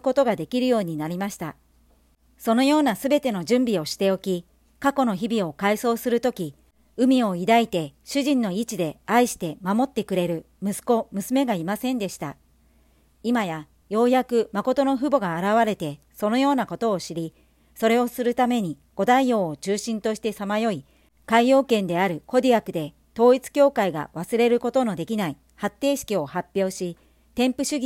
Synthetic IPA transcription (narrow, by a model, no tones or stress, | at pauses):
ko̞t̪o̞ɡad̪e̞kʲiɾɯ̟jo̞ːɲ̟inaɾʲimaɕi̥t̪a̰ | so̞no̞jo̞ːnasɨbe̞t̪e̞no̞ʑɨ̃mbʲio̞ɕi̥t̪e̞o̞kʲi | kako̞no̞çibʲio̞kaiso̞ːsɨɾɯ̟t̪o̞kʲi | ɯ̟mʲio̞id̪ait̪e̞ɕɨʑĩnːo̞it͡ɕid̪e̞aiɕi̥t̪e̞mamot̪ːe̞kɯ̟ɾe̞ɾɯ̟ | mɯ̟sɨ̥ko̞mɯ̟sɨme̞ɡaimasẽ̞nd̪e̞ɕi̥t̪a̰ | imaja | jo̞ːjakɯ̟mako̞t̪o̞no̞ɸɯ̟bo̞ɡaːɾaβ̞aɾe̞t̪e̞ | so̞no̞jo̞ːnako̞t̪o̞ːɕiɾʲi | so̞ɾe̞o̞sɨɾɯ̟t̪ame̞ɲ̟i | ɡ̥o̞d̪aijo̞ːot͡ɕɨːɕĩnt̪o̞ɕi̥t̪e̞samajo̞i | kaio̞ːkẽ̞nd̪e̞aɾɯ̟ko̞d̪ʲiakɯ̟d̪e̞ | t̪o̞ːit͡sɨ̥kʲo̞ːkaiɡa̰βasɨɾe̞ɾɯ̟ko̞t̪o̞no̞d̪e̞kʲinai | hat̪ːe̞ːɕi̥kʲio̞hapʲːjo̞ːɕi | t̪ẽ̞mpɯ̟ɕɨɡʲ